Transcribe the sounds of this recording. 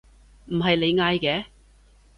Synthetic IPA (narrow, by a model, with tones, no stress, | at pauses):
m̩˨˩ɦɐ˨jle˨˧jŋaː˧jkɛː˨˦